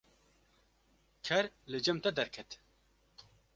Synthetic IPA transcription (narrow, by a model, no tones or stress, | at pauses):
kʰɛɾlɨd͡ʒɛmt̪ɛd̪ɛɾkʰɛt̪